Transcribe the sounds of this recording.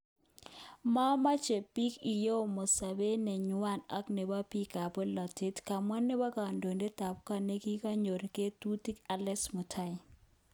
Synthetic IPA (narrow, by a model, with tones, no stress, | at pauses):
ma˦ma˦t͡ʃe˨pi˦ki˨jo˦˨mo˨sa˨be˦nɛ˨ɲu˦wa˦˨na˦kne˨ba˦pi˦ka˨bɔ˦la˨te˦tka˨mwa˦nːe˦ba˦ka˨ndo˨nde˦ta˨pka˨ne˦ki˦ka˦ɲo˨ɾke˦tu˦ti˦ka˦lɛ˦smu˨tʰa˦i˨